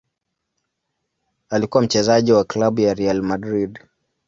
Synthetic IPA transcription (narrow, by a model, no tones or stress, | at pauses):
alikuwam̩t͡ʃɛzaʄiwaklaɓujaɾialmadɾid